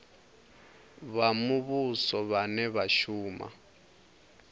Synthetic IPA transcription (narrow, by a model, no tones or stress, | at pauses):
βamuβusɔβanɛβaʃuːma̰